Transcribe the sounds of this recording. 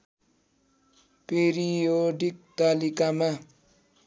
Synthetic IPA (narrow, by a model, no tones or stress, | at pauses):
peɾijoɖik̚t̪alikama